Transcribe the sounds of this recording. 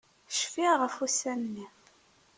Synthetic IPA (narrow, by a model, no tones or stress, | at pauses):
ʃfiʁəfusænnːi